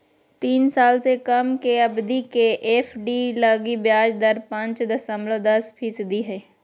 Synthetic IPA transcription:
t̪iːnsaːlsekɐmkeɐbd̪ikeʔeːpʰɖiləɡibjaːd͡ʒd̪ɐɾpãt͡ʃd̪ɐsə̃mblod̪ɐspʰisd̪iɦɛː

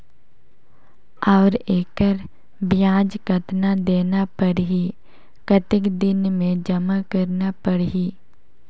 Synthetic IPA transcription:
ɔːɾeːkəɾ | bjãːd͡ʒkət̪nad̪eːnapəɾɦi | kət̪ɪkd̪ɪnmẽd͡ʒɐmakɐɾnapəɽɦiː

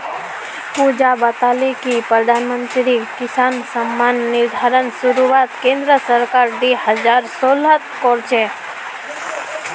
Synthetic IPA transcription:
pud͡ʒabət̪alekipɾəd̪ʱaːnmənt̪ɾikɪsaːnsəmːanːɪɾd̪ʱaːɾənsʊɾuʋaːt̪kẽːnd̪ɾəsəɾkaːɾd̪ihəzaːɾsoːlət̪kɔɾt͡ʃʰe

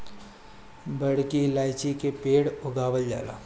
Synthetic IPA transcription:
bɐɽkilaːɪt͡ʃikepeːɽʊɡaːwəld͡ʒa̰ːla̰ː

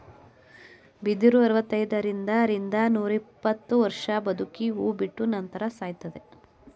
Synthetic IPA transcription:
bid̪iɾuɐɾʋɐt̪ːɐjd̪ɐɾind̪ɐɾind̪ɐnuːɾipːɐt̪ːuʋɐɾʂɐbɐd̪ʱukiuːbiʈːunɐnt̪ɐɾɐsaːjt̪ɐd̪e

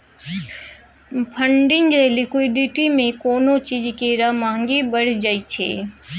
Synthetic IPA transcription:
pʰɐ̃ɳɖɪ̃ŋɡelɪkwɪɖɪʈimẽkoːnot͡ʃiːd͡ʒkeɾamãːŋɡebɐɽ̤d͡ʒaːit͡ʃʰḛː

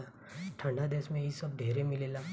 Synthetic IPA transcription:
ʈʰə̃ɳɖad̪eːsmẽisəb̚d̪ʱeːɾemɪlela

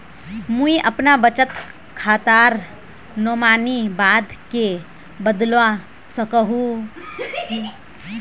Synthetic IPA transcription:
muiʔəpnabət͡ʃət̪ | kʰat̪aɾ | nomanibad̪ke | bəd̪lʋa | səkəɦũ

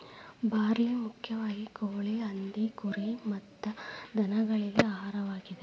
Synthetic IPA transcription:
bʱaːɾiːmukʰjɐʋaːɡikoːɭeɐnd̪ikuɾimɐt̪ːɐd̪ʱɐnɐɡɐɭiɡeaːɦaːɾɐʋaːɡid̪e

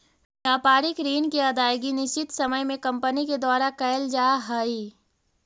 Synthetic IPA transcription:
jaːpaːɾɪkɾiːnkiɐd̪aːjɡinɪʃt͡ʃɪt̪sɐməjmẽkɐ̃mpəniked̪ɔːɾakɐjld͡ʒaːɦəi

